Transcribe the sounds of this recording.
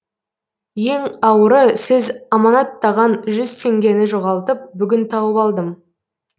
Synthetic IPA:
je̞ŋɑwəɾəsɪzɑmɑnɑt̪ːɑʁɑnʒʏzt̪ʰe̞ŋɡʲe̞nɪʒoʁɑlˠt̪əp̚bʏɡʲɪnt̪ʰɑwəpɑlˠd̪əm

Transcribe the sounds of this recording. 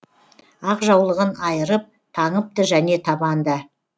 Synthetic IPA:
ɑqʒɑwlˠəʁənɑjəɾəp̚ | t̪ʰɑɴəp̚t̪əʒæne̞t̪ʰɑbɑnd̪ə

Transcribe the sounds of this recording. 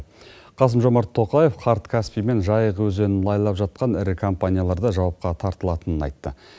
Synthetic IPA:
qʰɑs̬əmʒo̞mɑɾt̪ʰːo̞qɑje̞fqʰɑɾt̪kʲʰaspijme̞nʒɑjəqwɵze̞nɪlˠɑjlˠɑpʒɑt̪̚qɑnɪɾɪkʰompanʲijalˠɑɾd̪ɑʒɑwɑp̚qɑt̪ʰɑɾt̪əlˠɑt̪ənənɑ̰jt̪ːə

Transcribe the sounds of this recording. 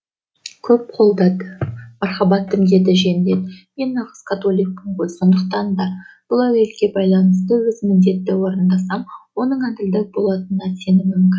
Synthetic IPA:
kʲʰɵp̚qʰo̞lˠd̪ɑd̪əmɑɾχɑbɑt̪ʰːɪmd̪e̞d̪ɪʒend̪e̞d̪me̞nːɑʁəz̥kʰɑt̪o̞lʲˠijk̚pəŋqolso̞nd̪əq̚t̪ɑnd̪ɑb̥ʊlˠæwe̞lkʲe̞bɑjlˠɑnəst̪əwɵzmɪnd̪e̞t̪ːɪwo̞ɾənd̪ɑsɑmwo̞nəɴæd̪ɪld̪ɪb̥o̞lˠɑt̪ənɑse̞nɪmʏmkʲɪn

